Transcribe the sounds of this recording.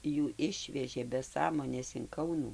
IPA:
juː ˈɪʃʲʋʲɛʒʲeː bʲɛ ˈsɑːmoːnʲeːs ɪn ˈkɐʊnuː

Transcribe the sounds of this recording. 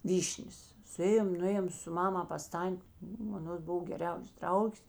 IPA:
ˈʋʲiːʃʲnʲeːs sʊˈeːjoːm nʊˈeːjoːm sʊ ˈmɑːmɐ pɐs ˈtɐnʲtʲ ˈnʊ ɐˈnoːs ˈbʊw ɡʲɛˈrʲɛʊs ˈdrɐʊɡʲeːs

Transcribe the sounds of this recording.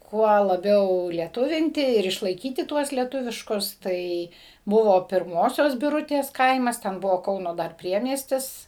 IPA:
ˈkuɔ lˠɐˈbʲɛʊ lʲiɛˈtʊʋʲɪnʲtʲɪ ɪr ɪʃlˠɐɪˈkʲiːtʲɪ ˈtuɔs lʲiɛˈtʊʋʲɪʃkʊs ˈtɐɪ ˈbʊʋoː pʲɪrˈmoːsʲoːs bʲɪˈrʊtʲeːs ˈkɐɪmɐs ˈtʲɛn ˈbʊʋoː ˈkɐʊnoː ˈdɐr ˈpʲrʲiɛmʲiɛsʲtʲɪs

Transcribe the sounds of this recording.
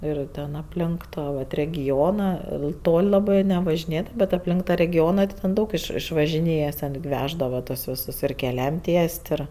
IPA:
ˈɪr tʲɛn ɐpʲˈlʲɪŋk ˈtɑː ʋɐt rʲɛɡʲɪˈoːnɐ ˈtoːlʲ ˈlˠɑːbɜ nʲɛʋɐʒʲɪˈnʲeːdɐʋɐ bʲɛt ɐpʲˈlʲɪŋk tɐ rʲɛɡʲɪˈoːnɐ tɐɪ tʲɛn ˈdɐʊk ɪʃ ɪʃʋɐʒʲɪˈnʲeːjɛs tʲɛn ɡʲɪ ˈʋʲæːʒdɐʋɐ tuɔs ˈʋʲɪsʊs ɪr kʲɛˈlʲɛm ˈtʲiɛsʲtʲ ˈɪr

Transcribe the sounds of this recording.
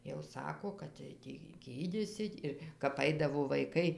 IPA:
jɛʊ ˈsɑːkoː kɐt tɐɪ ˈtʲiː ˈɡʲiːdʲiːsʲɪtʲ ɪr kɐp ˈɐɪdɐʋoː ʋɐɪˈkɐɪ

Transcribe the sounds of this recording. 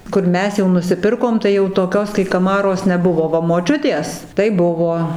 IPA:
ˈkʊr ˈmʲɛs jɛʊ nʊsʲɪˈpʲɪrkoːm tɐɪ jɛʊ toːˈkʲoːs kɐɪ kɐˈmɑːroːs nʲɛˈbʊʋoː ˈʋɐ moːˈt͡ʃʲʊtʲeːs tɐɪ ˈbʊʋoː

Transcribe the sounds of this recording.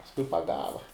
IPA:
pɐsˈkʊɪ pɐˈɡɑːʋɐ

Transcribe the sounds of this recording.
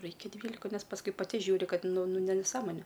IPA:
ˈrɐɪkʲɛ ˈdʲʋʲiːlʲɪkɐ ˈnʲɛs pɐsˈkʊɪ pɐˈtʲɪ ˈʒʲuːrʲɪ ˈkɐt ˈnʊ ˈnʊ nʊ nʲɛˈsɑːmoːnʲeː

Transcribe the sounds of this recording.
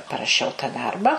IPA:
pɐrɐˈʃʲɛʊ tɐ ˈdɐrbɐ

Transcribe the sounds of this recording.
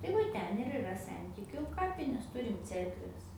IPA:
tɐɪ ˈʋɐ ˈtʲɛn ɪr ɪˈrɐ ˈsʲɛnʲtʲɪkʲʊ ˈkɑːpʲɪnʲeːs ˈtʊrʲɪm ˈt͡sʲɛrkʋʲɛs

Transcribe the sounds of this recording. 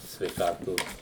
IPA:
sʲʋʲɛɪˈkɑːtoːs

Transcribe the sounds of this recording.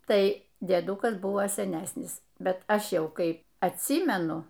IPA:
ˈtɐɪ dʲiɛˈduːkɐs ˈbʊʋoː sʲɛˈnʲæːsʲnʲɪs ˈbʲɛt ˈɐʃ ˈjɛʊ ˈkɐɪ ɐtʲˈsʲiːmʲɛnʊ

